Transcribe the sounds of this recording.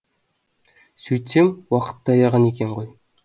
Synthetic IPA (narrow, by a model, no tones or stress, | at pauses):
sɵjt̪semwɑqə̥t̪ːɑɑjɑʁɑnekʲeɴʁoj